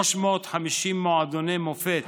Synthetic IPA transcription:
oʃmoot̪ħamiʃimːoʕad̪onemofet̪

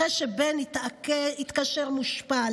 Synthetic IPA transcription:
eʃebenitakit̪kaʃeʁmuʃpa

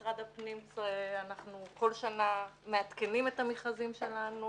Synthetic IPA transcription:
ʁad̪apnimseanaχnuko̞lʃanameat̪ke̞nimetamiχazimʃe̞lanu

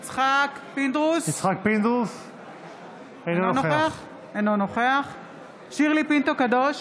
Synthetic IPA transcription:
t͡sχakpind̪ʁuzit͡sχak̚pind̪ʁus | enonoeaχ | ejnonoχeaχ | ʃiʁlipint̪okadoʃ

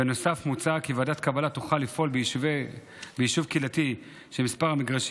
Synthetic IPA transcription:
eno̞safmut͡sakivaːdat̪kabalat̪uχalːifʔo̞lbv | bejiʃuvkilati | ʃemispaʁhamiɡʁaʃ

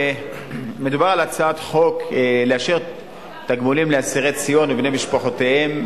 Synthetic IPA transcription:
me̞d̪ubaʁalat͡saat̪χo̞kleaʃeʁ | t̪aɡmulimleasiʁet͡sijo̞nebnejmiʃpaχo̞t̪ehem

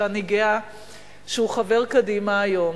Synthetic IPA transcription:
aniɡea | ʃeuχave̞ʁkadimaːjo̞m

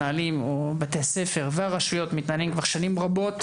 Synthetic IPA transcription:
aalimobat̪ease̞fe̞ʁveaʁaʃujo̞t̪mit̪naalimkvaʁʃanimʁabo̞t̪

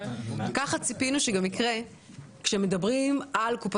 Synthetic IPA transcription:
kaχat͡sipinuʃeɡamikʁe̞ | kʃemedabʁimalkup

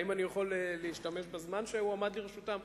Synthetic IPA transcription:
imanijaχoleleiʃtame̞ʃbazmanʃeuamad̪liʁeʃutam

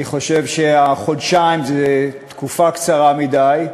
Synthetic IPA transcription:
iχo̞ʃevʃeaχodʃajmzet̪kufakt͡saʁamidaj

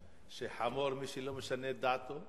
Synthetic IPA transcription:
sehamoɾmisilɐmsɐned̪at̪o

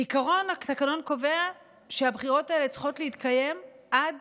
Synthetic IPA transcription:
ikaʁo̞nakt̪akano̞nko̞ve̞a | ʃeabχiʁo̞tae̞le̞t͡sχo̞tleit̪kaje̞m | ʔad

